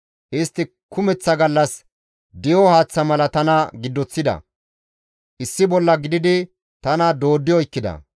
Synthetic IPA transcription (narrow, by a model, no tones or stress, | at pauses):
ʔɪst̪ːɪ | kʊmɛt͡sːɐɡɐlːɐs | d̪ɪjɔhaːt͡sːɐmɐlɐt̪ɐnɐɡɪd̪ːɔt͡sːɪd̪ɐ̰ | ʔɪsːɪbɔlːɐɡɪd̪ɪd̪ɪ | t̪ɐnɐd̪o̞ːd̪ːɪjɔɪkːɪd̪ɐ̰